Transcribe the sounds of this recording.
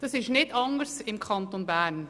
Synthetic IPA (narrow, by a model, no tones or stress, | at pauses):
d̥ɑsɪʃnɪtɑŋəɾsɪmkʰɑntonbæːɾn